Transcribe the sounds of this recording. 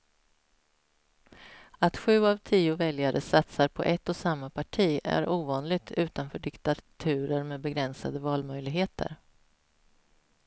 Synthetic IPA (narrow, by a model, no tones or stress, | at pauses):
at̪ɧʉ̟ːavt̪ʰiːʊvɛljaɾʔəsat̪saɾpʰɔ̰ʔɛt̪ːɔsamːapʰaʈʰiːæ̰ɾʔuːvɑːnlɪɡ̚t̪ʰʉ̟ːt̪anfœːɖɪkt̪at̪ʰʉ̟ːɾəɾmeːbɛɡɾɛnsa̰d̪əvɑːlmœjlɪɡɦeːt̪ʰə̰ɾ